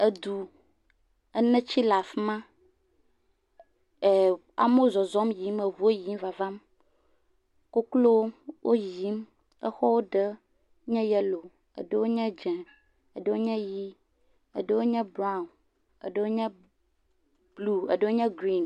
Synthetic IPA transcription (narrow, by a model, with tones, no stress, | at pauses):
e˦d̪u˨ | ə˦nɛ̃˦t͡ɕi˦la˨fmã˦˨ | a̰˨mo˦zɔ˨zɔ˦mji˨˦mə˨vu˦o˦ji˦m˦va˨va˦m | ko˦klo˦wʔo˦ji˨˦m | ə̰˦xɔ˦wo˦ɖə˦ | ɲɛ̃˦jɛ˦lo˨ | ə̰˨ɖə˦wo˦ɲɛ̃˦d͡ʒɛ̃˨ | ə˨ɖə˦wo˦ɲɛ̃˦ji˦ | ə̰˨ɖə˦wo˦ɲɛ̃˦bɾa˦˨n | ə̰˨ɖə˦wo˦ɲɛ̃˦ | b̥lu˦ə̰˨ɖə˦wo˦ɲɛ̃˦ɡɾi˦n